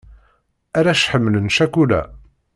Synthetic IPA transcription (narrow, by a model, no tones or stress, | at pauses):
æɾæʃħəmːələnʃækulæ̰